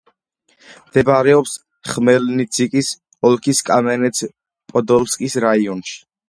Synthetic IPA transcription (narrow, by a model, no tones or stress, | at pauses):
md̪̥ɛbaɾɛɔps | χmɛlnit̪sʰikʼis | ɔlˠkʰiskʼamɛnɛt̪sʰ | pʼɔd̪ɔlskʼisɾaiɔnʃi̥